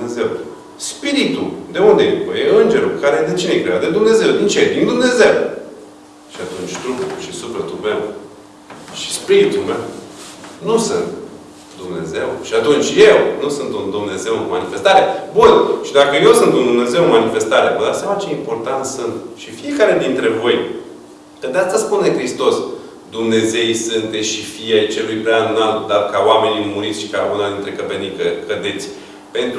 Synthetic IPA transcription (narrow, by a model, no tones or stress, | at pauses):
eze̞w | spiɾit̪ud̪e̞uneupəjeɨnd͡ʒe̞ɾukaɾed̪et͡ʃinejkɾejawd̪e̞d̪umne̞ze̞wd̪int͡ʃed̪ind̪umne̞ze̞w | ʃiat̪unt͡ʃʲt̪ɾupuʃisupɾət̪upew | ʃi̥spiɾit̪ulmew | nusɨnt̪ | d̪umne̞̰ze̞wʃiat̪unt͡ʃʲjewnusɨnt̪und̪umne̞ze̞wɨnmanife̞st̪aɾebunʃid̪akəje̞wsɨnt̪und̪umne̞ze̞wɨnmanife̞st̪aɾeavəd̪at̪sijamat͡ʃe̞impo̞rt̪ant̪sɨnt̪ʃifie̞kaɾe̞d̪int̪ɾe̞vo̞j | kəd̪east̪aspune̞kɾist̪o̞s | d̪umne̞ze̞jsɨnt̪̚d̪eʃifiajt͡ʃe̞lujpɾaanunald̪arkaowame̞nimuɾit̪sʲʃi̥kaunad̪int̪ɾe̞kəpenikkəd̪e̞t̪sʲ | pe̞nt̪ɾ